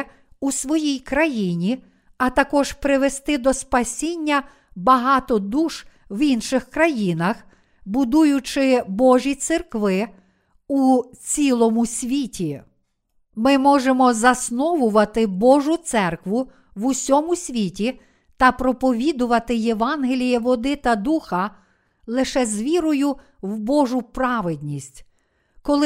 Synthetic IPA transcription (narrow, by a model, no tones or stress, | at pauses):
usʋɔjijkɾɐjinʲi | ɐt̪ɐkɔʒ̥pɾɪʋest̪ɪd̪ɔspɐsʲinʲːɐ | bɐɦɑt̪ɔd̪uʃ | ʋinʃɪxkɾɐjinɐx | bʊd̪ujʊt͡ʃɪbɔʒʲit̪serkʋɪ | ut͡sʲilˠɔmʊsʲʋʲitʲi | mɪmɔʒemɔzɐsnɔʋʊʋɐt̪ɪbɔʒʊt̪sɛrkʋʊ | ʋusʲɔmʊsʲʋʲitʲi | t̪ɐpɾɔpɔʋʲid̪ʊʋɐt̪ɪjeʋɑnɦelʲijɛʋɔd̪ɪt̪ɐd̪uxɐ | lˠɪʃɛzʲʋʲiɾɔjʊ | wbɔʒʊpɾɑʋed̪ʲnʲisʲtʲ | kɔlˠɪ